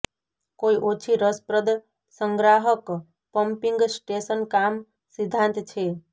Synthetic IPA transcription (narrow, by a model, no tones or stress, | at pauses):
koiʔot͡ʃʰiɾəspɾəd̪ | səŋɡɾaɦək | pəmpiŋɡsʈesənkam | sid̪ʱːãnt̪t͡ʃʰe